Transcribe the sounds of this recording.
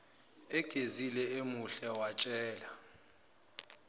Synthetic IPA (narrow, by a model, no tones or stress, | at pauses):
ɛɡ̥ʱezilɛemuɬɛwat͡ʃʼɛːla